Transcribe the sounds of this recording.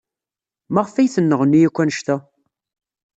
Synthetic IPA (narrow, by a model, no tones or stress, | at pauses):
mæʁfæjθənːəʁnːijækʷːænəʃt̪æ